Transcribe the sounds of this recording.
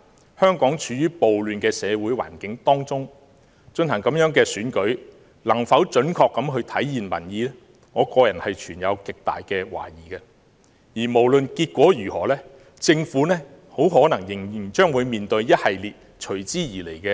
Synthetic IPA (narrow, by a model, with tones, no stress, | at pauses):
hœː˥ŋkɔː˨˥ŋt͡ʃʰyː˨˧jyː˥po˨wlyː˨nkɛː˧sɛː˨˧wu˨˥jwa̰ː˨˩nkɪ˨˥ŋt̪ɔː˥ŋt͡sʊ˥ŋ | t͡ʃɵ˧nhɐ˨˩ŋkɐ˨˥mjœː˨˥ŋkɛː˧syː˨˥nkɵ˨˥ɥ | lɐ˨˩ŋfɐ˨˥wt͡ʃɵ˨˥nkʰɔː˧kːɐ˨˧˥mɦɵ˧ɥt̪ʰɐ˨˥jjiː˨nwɐ̰˨˩njiː˨˧lɛː˥ | ŋɔː˨˧kɔː˧jɐ˨˩nhɐ˨jt͡ʃʰyː˨˩njɐ̰˨˧wkɪ˨k̚t̪a̰ː˨jkɛː˧wa̰ː˨˩jiː˨˩kɛ˧ | jiː˨˩mo˨˩wlɵ˨nkiː˧t̚kʷɔː˨˥jyː˨˩hɔː˨˩lɛː˥ | t͡sɪ˧ŋfuː˨˥nɛː˥ | ho˨˥wɦɔː˨˥nɐ˨˩ŋjɪ˨˩ŋjɪ˨˩ŋt͡ʃœː˥ŋwuː˨˧jmiː˨nt̪ɵ˧ɥjɐ˥t̚hɐ˨jliː˨t̚ | t͡ʃʰɵ˨˩ɥt͡siː˥jiː˨˩le˨˩jkɛ˧